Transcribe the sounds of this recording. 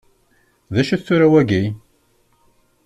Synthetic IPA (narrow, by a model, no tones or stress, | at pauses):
ðæʃæθt͡sːuɾæwæɡi